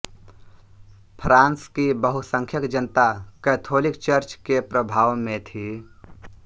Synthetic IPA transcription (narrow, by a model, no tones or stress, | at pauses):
pʰɾãːnskibəɦusə̃ŋkʰjəkd͡ʒənt̪akɛːt̪ʰoːlɪkt͡ʃəɾt͡ʃkepɾəbʱaːʋmẽt̪ʰi